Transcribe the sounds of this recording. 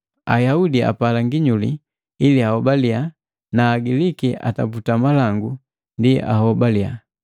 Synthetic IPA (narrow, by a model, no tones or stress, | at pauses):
a̰jaudia̰palaŋɡiɲulḭ | iliahɔbalia | naːɡilikiʔa̰ta̰putamalaŋɡu | ndia̰hɔbalia̰